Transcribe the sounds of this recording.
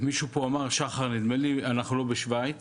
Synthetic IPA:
miʃupo̞amaʁʃaχaʁnid̪melianaχnulo̞beʃvajt̪

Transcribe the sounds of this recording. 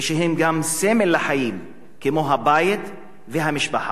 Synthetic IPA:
eʃeɦemɡamsemelːaħajim | kemo̞ɦabajit̪ | veɦamiʃbaħa̰

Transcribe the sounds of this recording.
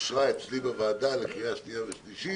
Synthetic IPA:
ʃʁaet͡slibavaːd̪alekijaʃlijaveʃliʃi

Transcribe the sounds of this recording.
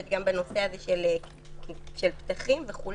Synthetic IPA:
et̪̚ɡambeno̞feazeʃel | ʃelpt̪aχimveχul

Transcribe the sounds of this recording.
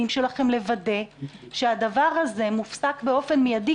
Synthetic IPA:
imʃe̞laχe̞mle̞vade̞ʃe̞ad̪avaʁhaze̞mufsakbe̞o̞fe̞nmijadi

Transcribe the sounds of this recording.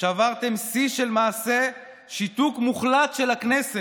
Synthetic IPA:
ʃavaʁt̪e̞msiʃelmaːse̞ | ʃit̪ukmuχlat̪ʃelaknese

